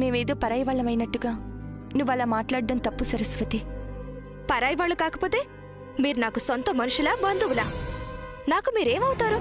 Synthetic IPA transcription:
meːmeːd̪oːpɐɾaːjɐʋaːɭːɐmɐjnɐʈːuɡaː | nuʋɐlaːmaːʈlaːɽɖɐnt̪ɐpːusɐɾɐsʋɐt̪i | pɐɾaːjɐʋaːɭːukaːkɐpo̞ːt̪e̞ː | miːɾunaːkusont̪ɐmɐnuʃulaːbɐnd̪uʋulaː | naːkumiːɾeːmɐwut̪aːɾu

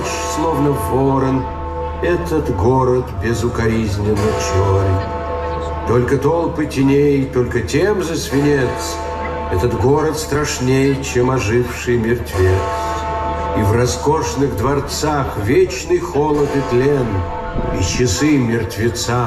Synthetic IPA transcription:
ʂslˠovnəvoɾən | ɛt̪ət̪ɡoɾət̪bʲɪzʊkɐɾʲizʲnʲɪnːɨt͡ɕoɾʲ | t̪olʲkət̪olˠpɨtʲɪnʲejt̪olʲkətʲemzəsvʲɪnʲet̪s | ɛt̪ət̪ɡoɾət̪st̪ɾɐʂnʲejt͡ɕemɐʐɨfʂɨjəmʲɪrt̪vʲet̪s | ivrɐskoʂnɨɣd̪vɐrt̪saxvʲet͡ɕnɨjxolˠət̪ɨt̪lʲen | ḭt͡ɕɪsɨmʲɪrt̪vʲɪt̪sa

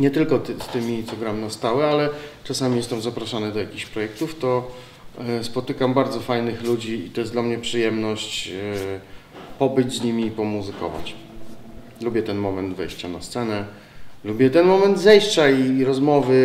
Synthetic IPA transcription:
ɲɛt̪ɘlkɔst̪ɘmʲit̪sɔɡɾamʲinast̪awɘalɛt͡ʂasamʲijɛst̪ɛmzapɾaʂanɘd̪ɔjakʲixɕpɾɔjɛk̚t̪uft̪ɔ | spɔt̪ɘkambaɾd̪zɔfajnɘxlud͡ʑiːt̪ɔjɛsd̪lamɲɛpʂɘjɛmnɔɕt͡ɕ | pɔbɘd͡ʑzɲimʲiːpɔmuzɘkɔ̰va̰t͡ɕ | lubʲjɛt̪ɛnmɔmɛnd̪vɛ̰jɕt͡ɕana̰st̪sɛnɛ | lubʲjɛt̪ɛnmɔmɛnd̪zɛjɕt͡ɕaiɾɔzmɔvɘ

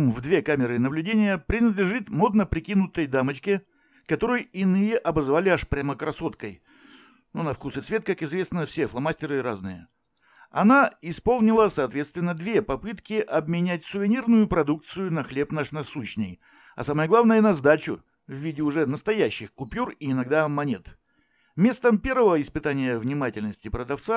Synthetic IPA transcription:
mvd̪vʲe̞kamʲɪɾɨnəblʲʉdʲenʲɪjəpɾʲɪnəd̪lʲɪʐɨt̪mo̞d̪nəpɾʲɪkʲinʊt̪əjd̪amət͡ɕkʲɪ | kɐt̪o̞ɾɨjɪnɨjəʔɐbəzvalʲɪaʂpɾʲaməkɾɐso̞t̪kəj | nunɐfkusɨt̪svʲe̞t̪̚kakɪzvʲe̞snəfsʲeflˠɐmasʲtʲɪɾɨɾaznɨ̰jə̰ | ɐ̰naɪspo̞lˠnʲɪlˠəsɐːt̪vʲest̪vʲɪnːəd̪vʲe̞pɐpɨt̪kʲɪʔɐbmʲɪnʲætʲsʊvʲɪnʲirnʊjʊpɾɐd̪uk̚t̪sɨjʊnɐxlʲe̞pnaʂnɐsuɕnʲəj | ɐ̰saməjəɡlˠavnəjənɐzd̪at͡ɕʊ | vːʲidʲɪʊʐɛnəst̪ɐjæɕːɪxkʊpʲuriɪnɐɡd̪amɐnʲe̞t̪ | mʲe̞st̪əmpʲe̞rvəvəɪspɨt̪anʲɪjəvnʲɪmatʲɪlʲnəsʲtʲɪpɾəd̪ɐft̪sa

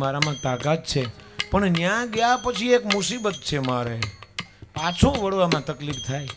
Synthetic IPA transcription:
maɾamãt̪akat̪̚t͡ʃʰepəɳnjãɡəjapət͡ʃʰiekmʊsibət̪̚t͡ʃʰemaɾe | at͡ʃʰũʋəɽʋamãt̪əklift̪ʰaj

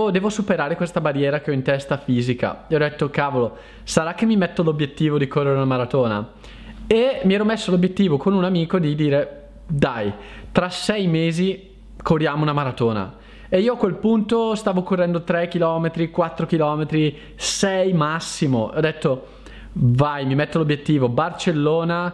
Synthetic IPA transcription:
d̪ɛːvosupeɾaːɾekwest̪abarːjɛːɾak̟eɔint̪ɛst̪afiːzika̰ɛɔd̪et̪ːokaːvolo | saɾak̟ːemːimɛt̪ːolobjet̪ːiːvod̪ikorːeɾeunamaɾat̪oːna̰ | emiɛːɾɔmesːolobjet̪ːiːvokonunamiːkod̪id̪iːɾe | d̪aj | t̪ɾasɛjmeːzi | korjaːmounamaɾat̪oːna̰ | eiːoakwelpunt̪ost̪aːvokorːɛnd̪ot̪ɾek̟ilɔːmet̪ɾikwat̪ːɾok̟ilɔːmet̪ɾi | sɛjmasːimoʔɔd̪et̪ːo | vajmimɛt̪ːolobjet̪ːiːvobart͡ʃelːoːna

